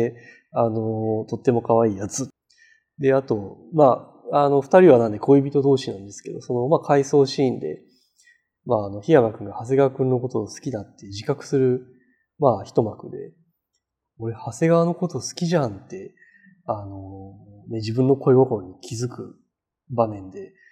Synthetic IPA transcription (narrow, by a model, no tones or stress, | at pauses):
ano̞t̪o̞t̪ːe̞mo̞kaβaiːjat͡sɨ | d̪e̞at̪o̞ma | ano̞ɸɯ̟̥t̪aɾʲiβanãnd̪e̞kʰo̞ibʲit̪od̪o̞ːɕinãnd̪e̞sɨ̥ke̞d̪o̞̰so̞no̞makʰaiso̞ːɕiːnd̪e̞̰ | maːno̞çijamakɯ̟ŋɡahas̬e̞ɡaβakɯ̟̃nːo̞ko̞t̪osɨ̥kʲid̪at̪ːe̞ʑikakɯ̟̥sɨɾɯ̟ | maːçi̥t̪o̞makɯ̟d̪e̞ | oɾe̞hase̞ɡaβano̞ko̞t̪o̞sɨ̥kʲiʑãnt̪e̞ | ano̞ne̞d͡ʑibɯ̟̃nːo̞ko̞eɡokoɲ̟ikʲʰizɨkɯ̟ | bamẽ̞nd̪e̞